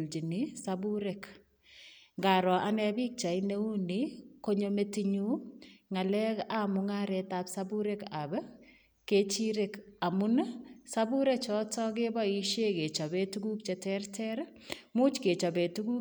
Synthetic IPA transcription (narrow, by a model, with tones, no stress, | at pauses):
ld͡ʒi˨nisabuɾɛk | ŋɡa˨ɾɔ˨ʔa˦nɛbi˦k̚t͡ʃa˨ine˦u˦niko˦ɲome˦tiɲu˦ŋa˨lɛkamʊŋa˦ɾɛtapsabu˦ɾɛkab | ke˦t͡ʃiɾeka˨mʊnsabu˦ɾɛk̚t͡ʃɔ˦tɔ˦k̬e˦ba˦i˦ʃe˦ke˨t͡ʃa˨be˦tuɡu˦k̚t͡ʃɛtɛrtʰɛɾ | mu˦t͡ʃke˨t͡ʃa˨be˨tu˦ɡu˦